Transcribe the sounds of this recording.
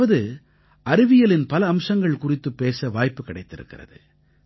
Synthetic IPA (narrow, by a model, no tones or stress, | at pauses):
ɐðɯ | ʔɐɾɯʋɪjɐlɪnpɐlɐːmsɐŋɡɐɭkʊrɪt̪ːɯpːeːsɐʋaːjpːɯkɐɽɐɪt̪ːɪɾɯ̰kːɪ̰rɐ̰ðɯ̰